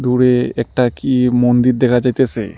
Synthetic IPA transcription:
d̪uɾeɛk̚ʈakimond̪iɾd̪ɛkʰad͡ʑajt̪esʰe

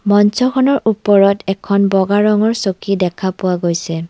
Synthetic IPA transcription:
mɔnsɔkʰɔnɔɹʔupɔɹɔtɛkʰɔnbɔɡaɹɔŋɔɹsokidɛkʰapʊwaɡojsɛ

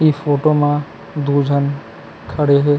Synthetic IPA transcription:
ifʰoːʈomã | d̪ud͡ʒʱən | kʰəɽeɦe

